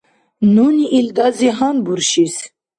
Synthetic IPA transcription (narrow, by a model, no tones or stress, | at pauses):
nuniʔild̪aziɦanbuɾʃis